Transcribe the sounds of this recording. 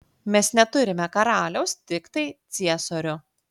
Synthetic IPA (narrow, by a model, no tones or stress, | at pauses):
mʲɛsnʲɛt̪ʊɾʲɪmʲɛkɐɾɑːlʲɛʊst̪ʲɪkt̪ɐɪt̪sʲiɛsoːɾʲʊ